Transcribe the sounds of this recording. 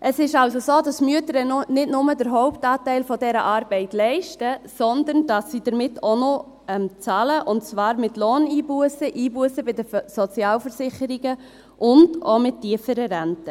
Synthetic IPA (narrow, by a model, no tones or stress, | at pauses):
ʔəsɪʃɑlsosoːdɑsmyətəɾənnɪtnʊmədəɾɦɔʊptɑːtɛɪlfɔdɛɾəʔɑːɾb̥ɛɪtlɛɪʃtəsɔndənd̥ɑsːid̥əɾmɪtʰːonɔ | ɛmt͡sɑːləʔʊntt͡svɑːɾmɪtloːniːbuəsəʔiːbuəsəbɪdəsɔt͡sjɑːlfəɾsɪχəɾiɡə | ʔʊndomɪtʰːiəfəɾəɾɛntə